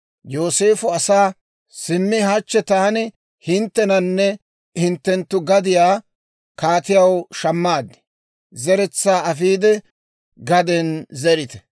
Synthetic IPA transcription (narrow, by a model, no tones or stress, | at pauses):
joːse̞ːfʊɐsaː | sɪmːɪhat͡ʃːɛt̪aːnɪ | hɪnt̪ːɛnɐnːɛ | hɪnt̪ːɛnt̪ːʊɡɐd̪ɪjaː | kaːt̪ɪjɐwʃɐmːaːd̪ːɛ̥ | zɛɾɛt͡sːaːɐfiːd̪ɛ | ɡɐd̪ɛnzɛɾɪt̪ɛ̥